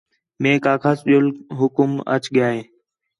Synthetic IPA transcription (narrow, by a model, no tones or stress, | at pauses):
mẽːkaːkʰasɗolɦʊkmə̰t͡ʃɠɪjaːɦeː